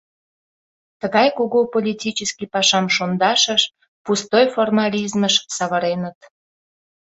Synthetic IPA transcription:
t̪əɣɑjkuɣopolʲitʲit͡ɕəskipɑʃɑmʃond̪ɑʃəʃ | pust̪ojformɑlʲizməʃsɑβəɾenət̪

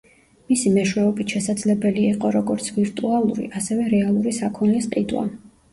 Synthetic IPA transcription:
misimɛʃwɛɔbit̪ʃɛsad̪zlɛbɛliːqʼɔɾɔɡɔɾt̪sʰviɾt̪ʼualˠuɾḭʔasɛvɛɾɛalˠuɾisakʰɔnlisqʼid̪wa̰

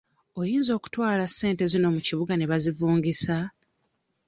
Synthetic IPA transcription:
o̞jiːnzo̞ːku̥twaːlasːe̞ːnte̞zino̞muciβuɡane̞βazivuːŋɡisa

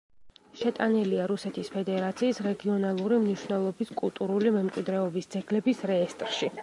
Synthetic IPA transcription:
ʃɛt̪ʼaniliaɾusɛt̪ʰispʰɛd̪ɛɾat̪sʰiːsɾɛɡiɔnalˠuɾimniʃvnɛlˠɔbiskʼulˠt̪ʼuɾulimɛmkʼwid̪ɾɛɔbisd̪z̥ʰɛɡlɛbisɾɛːst̪ʼɾʃi

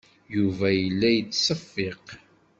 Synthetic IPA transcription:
juvæjəlːæjət͡sːsˤəfːeq

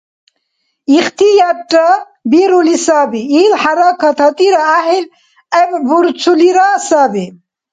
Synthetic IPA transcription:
iχt̪ijaʈːa | biɾulisabiilħaɾakʰat̪ʰɐt̪iɾaaɦil | ebbuɾt͡sʰuliɾasaːbi

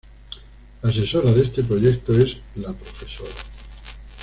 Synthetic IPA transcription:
ase̞so̞ɾaðest̪e̞p̬ɾo̞ʝek̚t̪oe̞zlapɾo̞fe̞soɾa

